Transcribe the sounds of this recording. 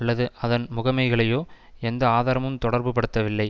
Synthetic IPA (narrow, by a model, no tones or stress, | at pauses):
ɐɭːɐðɯʔɐðɐnmʊɣɐmɐɪɣɐɭɐjoː | ɛnd̪ɐaːðaːɾɐmɯmt̪ɔɽɐɾbɯpɐɽɯt̪ːɐʋɪlːɐɪ